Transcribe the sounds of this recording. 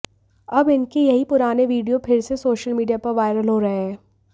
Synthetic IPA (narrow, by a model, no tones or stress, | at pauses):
ɐbɪnkejɐɦipʊɾaːneʋiːɖijopʰɪɾsesoːʃəlmiːɖijapɐɾʋaːɪɾəlɦoɾɐɦeɦɛ̃ː